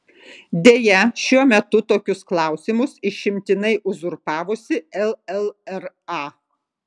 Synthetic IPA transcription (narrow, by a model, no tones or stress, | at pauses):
d̪ʲeːjɛʃʲuɔmʲɛt̪ʊt̪oːkʲʊsklˠɑˑʊsʲɪmʊsɪʃʲɪmʲt̪ʲɪnɐɪʔʊzʊɾpɑːʋʊsʲɪɛlˠɛlˠɛɾ | ɑː